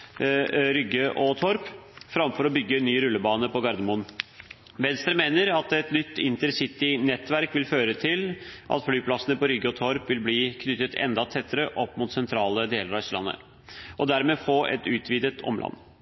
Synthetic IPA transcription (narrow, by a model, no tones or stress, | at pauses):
ɾʏɡːəʔɔt̪ʰɔɾpfɾɑmfɔɾɔbʏɡːənyːɾʉlːəbɑːnəpɔɡɑɾd̪əmʊn | ʋɛnst̪ɾəmeːnəɾɑt̪ɛt̪nʏt̪ːɪnt̪əɾsɪt̪ɪnɛt̪ːʋæɾkʋɪlføːɾət̪ʰɪlʔɑ̰t̪flyːpʰlɑsənəpɔɾʏɡːəɔt̪ʰɔɾpʋɪlbliːkʰnʏt̪ːət̪ʰɛ̰nd̪ɑt̪ʰɛt̪ʰːəɾəʔɔpːmuːt̪sɛnt̪ʰɾɑːləd̪eːləɾɑslɑ̰nːə̰ | ʔɔd̪æɾmeːfoːʔɛ̰t̪ʉːt̪ʰʋiːd̪ət̪ʰɔ̰mlɑ̰nː